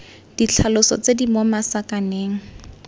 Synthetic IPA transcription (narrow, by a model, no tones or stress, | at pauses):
d̥it͡ɬʰalʊsɔ̰t͡sedimɔmasakaneːŋ̩